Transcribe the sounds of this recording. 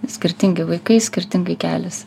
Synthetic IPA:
sʲkʲɪɾʲt̪ʲɪŋɡʲɪʋɐɪkɐɪsʲkʲɪɾʲt̪ʲɪŋɡɐɪkʲæːlʲɪs

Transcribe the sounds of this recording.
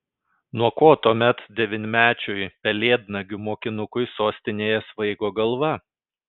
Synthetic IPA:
nuɔkoːt̪uɔmʲɛt̪d̪ʲɛʋʲɪnʲmʲæːt͡ʃʲʊjpʲɛlʲeːd̪nɐɡʲʊmoːkʲɪnʊkʊɪsoːsʲt̪ʲɪnʲeːjɛsʋɐɪɡoːɡɐlˠʋɐ

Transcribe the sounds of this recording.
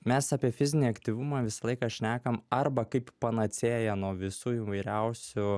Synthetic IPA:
mʲɛsɑːpʲiɛfʲɪzʲɪnʲiːɐkt̪ʲiːʋʊmɑːʋʲɪsɐlˠɐɪkɐːʃʲnʲæːkɐmɐrbɐkɐɪppɐnɐsʲeːjɛnuɔʋʲɪsuːiːʋɐɪɾʲɛʊsʲʊ

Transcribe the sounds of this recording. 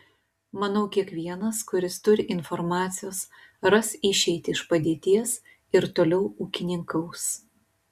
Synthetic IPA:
mɐnɐʊkʲiɛkʋʲiɛnɐskʊɾʲɪst̪ʊɾʲɪʔɪnfɔɾmɑːt̪sʲɪjoːs | ɾɐsɪʃʲɛɪt̪ʲɪʃpɐd̪ʲeːt̪ʲiɛs | ɪɾt̪oːlʲɛʊuːkʲɪnʲɪŋkɐʊs

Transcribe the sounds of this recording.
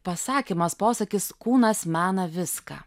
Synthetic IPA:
pɐsɑːkʲimɐspoːsɐkʲɪskuːnɐsmʲæːnɐʋʲɪskɑ̰ː

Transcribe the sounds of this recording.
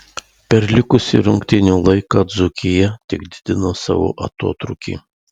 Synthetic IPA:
pʲɛɾlʲɪkʊsʲɪ̰ɾʊŋkt̪ʲɪnʲuːlˠɐɪkɑd̪zʊkʲɪjɛt̪ʲɪɡ̚d̪ʲɪd̪ʲɪnosɑ̰ʋo̰ːʔɐ̰t̪o̰ːt̪ɾʊkʲḭ

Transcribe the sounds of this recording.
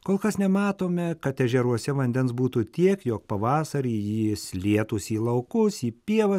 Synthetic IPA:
koːlˠkɐsnʲɛmɑːt̪oːmʲɛkɐt̪ɛʒʲɛɾuɔsʲɛʋɐnʲd̪ʲɛnsbuːt̪uːt̪ʲiɛkjoːk̚pɐʋɑːsɐɾʲiːjislʲiɛt̪uːsiːlˠɐʊkʊsiːpʲiɛʋɐ

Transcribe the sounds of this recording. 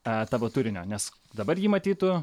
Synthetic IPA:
t̪ɑːʋoːt̪uːɾʲɪnʲo̰ːnʲɛs | d̪ɐbɐɾjiːmɐt̪ʲiːt̪ʊ

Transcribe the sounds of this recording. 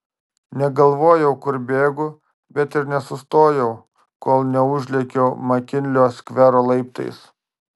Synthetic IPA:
nʲɛɡɐlˠʋoːjɛʊkʊɾbʲeːɡʊ | bʲɛt̪ɪɾnʲɛsʊst̪oːjɛʊ | koːlˠnʲɛʊʒʲlʲɛkʲɛːmɐkʲɪnʲlʲoːsʲkʲʋʲæɾoːlˠɐɪpt̪ɐ̰ɪs

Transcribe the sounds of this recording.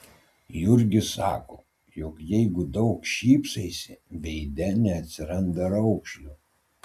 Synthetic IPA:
jʊɾʲɡʲɪsɑ̰ːkoː | jɔkjɛɪɡʊd̪ɒʊkʃʲiːpsɐɪsʲɪbʲɛɪd̪ʲɛnʲɛɐt̪ʲsʲɪɾɐnd̪ɐɾɐʊkʃʲlʲu

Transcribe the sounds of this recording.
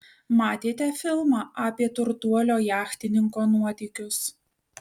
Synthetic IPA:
mɑːt̪ʲeːt̪ʲɛfʲɪlˠmɑːʔɑːpʲiɛt̪ʊɾt̪uɔlʲoːjæːxt̪ʲɪnʲɪŋkoːnuɔt̪ʲɛːkʲʊs

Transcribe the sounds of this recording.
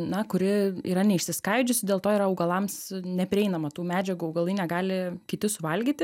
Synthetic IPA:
nɐkʊɾʲɪḭːɾɐnʲɛɪʃʲsʲɪskɐɪd͡ʒʲʊsʲɪd̪ʲeːlˠt̪oːiːɾɐɐʊɡɐlˠɐmsnʲɛpʲɾʲɪɛɪnɐmɐt̪uːmʲæːd͡ʒʲɛɡuɐʊɡɐlˠɐɪnʲɛɡɑːlʲɪkʲɪt̪ʲɪsʊʋɐlʲɡʲiːt̪ʲɪ

